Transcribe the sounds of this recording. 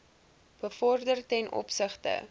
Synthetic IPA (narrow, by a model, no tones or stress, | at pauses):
b̥əfɔrdərtɛnʔɔ̰psəχtə̰